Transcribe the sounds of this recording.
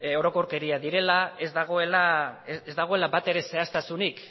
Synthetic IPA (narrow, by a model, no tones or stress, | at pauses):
o̞ɾo̞ko̞ɾke̞ɾiaðiɾe̞lae̞zd̪aɣ̞o̞e̞laezd̪aɣ̞o̞e̞labat̪e̞ɾe̞se̞ast̪asunik